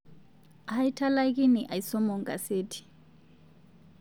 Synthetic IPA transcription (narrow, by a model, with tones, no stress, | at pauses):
aha˦ji˦tʰa˦la˦k̬i˦ni˨ʔa˨ji˨sɔ˦mɔ˨ŋka̰˨seːtʰi̥˨